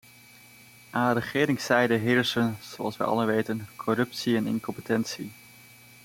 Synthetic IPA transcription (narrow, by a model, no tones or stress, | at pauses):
ʔaːrəχɪːɾɪŋsɛjdəɦɪːɹsənz̥oɑ̰lˠsʋɛ̰jʔɑ̰ləʋejtənkʰɔɾɵp̚siɛnɪ̰nkɔmpətɛnsi